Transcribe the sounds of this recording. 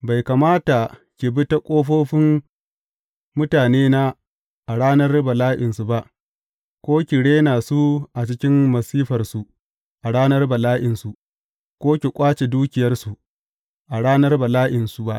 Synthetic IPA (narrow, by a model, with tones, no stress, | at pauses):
ba˨jka˨maː˦ta˨ | kʲi˨bɪ˦ta˦kʷʼoː˦ɸoː˦ɸɪ˦m | mʊ˦taː˨neː˦na˦ | ʔa˨ɽaː˦nɐ˦rbɐ˨laː˦ʔɪ˨nsu˨ba˦ʔ | kʷoː˦kʲɪ˨ɽeː˦naː˨su˦ʔa˨t͡ʃɪ˦kʲɪ˦mmɐ˨siː˦ɸɐ˨rsu˨ | ʔa˨ɽaː˦nɐ˦rbɐ˨laː˦ʔɪ˨nsu˨ | kʷoː˦kʲi˨kʷʼaː˦t͡ʃe˨duː˦kʲɪ˨jɐ˦rsu˨ʔ | ʔa˨ɽaː˦nɐ˦rbɐ˨laː˦ʔɪ˨nsu˨ba˦ʔ